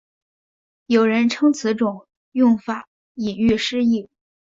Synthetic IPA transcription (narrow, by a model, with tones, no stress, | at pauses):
jo˨˩ʊɻə˧˥nʈ͡ʂʰɤ˥ŋt͡sʰɹ̩˧˥ʈ͡ʂʊ˨˩˦ŋ | jʊ˥˩ŋfa˨˩˦ | i˨˩ny˥˩ʂɻ̩˥i˥˩